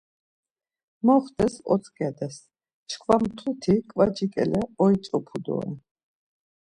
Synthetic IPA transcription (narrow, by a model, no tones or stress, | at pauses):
mɔχd̪ɛsɔ̰t̪sʰkʼɛd̪ɛs | t͡ʃʰkʰvamt̪ʰut̪ʰikʼvad͡ʒikʼɛ̰lɛɔitt͡s̪ʼɔpʰud̪ɔ̰ḭ